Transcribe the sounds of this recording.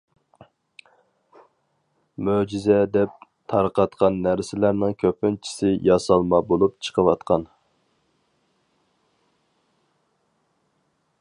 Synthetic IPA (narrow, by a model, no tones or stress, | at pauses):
mød͡ʒizɛd̪ɛp̚t̪ʰɑɾqʰɑt̪qɑnːæɾsɪlæɾnɪŋkʲʰøpɪnt͡ʃʰi̥sɪjɑsɑlˠmɑbolˠupt͡ʃʰə̥qʰəwɑt̪qʰɑn